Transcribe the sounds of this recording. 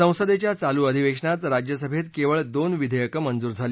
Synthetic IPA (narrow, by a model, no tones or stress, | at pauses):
ə̃w̃səd̪et͡ɕjat͡saluːəd̪ʱiʋekʂnat̪ɾad͡ʑjəsəbʱet̪keʋəɭd̪onʋid̪ʱəjəkəmənd͡zuːɾd͡zʱaliː